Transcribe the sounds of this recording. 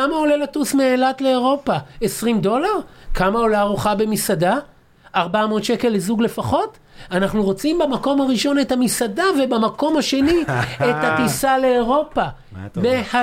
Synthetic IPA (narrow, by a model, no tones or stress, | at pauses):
amao̞lelatusmeːlat̪le̞ːʁo̞paesʁimdo̞laʁkʰamao̞laːʁuχabemisadaː | ʁbamo̞tʃe̞ke̞lːezuɡle̞faχo̞t | anaχnuʁo̞t͡simbamako̞maʁiʃo̞ne̞thamisadave̞bamako̞mhaʃe̞niethat̪isale̞ːʁo̞pa | meha